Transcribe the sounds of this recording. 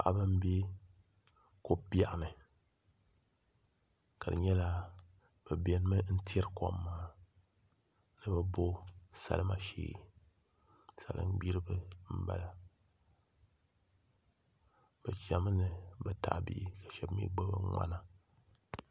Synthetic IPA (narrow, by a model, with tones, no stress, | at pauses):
a˨ʔa̰˦bɨ˦m̩˦bi˦ | ko˦bi˦a˨ʔnɨ˨ | ka˨ɾɨ̰˨ɲɛ˦la˦ | b̥ɨ˨bɛ˨n˦mɨ˦n̩˦ti˦ɛ˦ɾko˦mːaː˨ | nɨ˨bɨ˨bo˦sa̰˨lɨ˦ma˨ʃḭː˦˨ | sa̰˨lʔɨ̰˦ŋ͡m̩˦ɡ͡bi˦ɾɨ˦bɨ˦m̩˦ba̰˦la˨ | b̥ɨ˨kʲi˨a˨mɨ˦nɨ˨bɨ˨ta̰˨ʔbḭ˦ka˨ʃɛ˨bmḭ˦ɡ͡bɨ˦bɨ̰˦ŋ͡ma̰˦na˦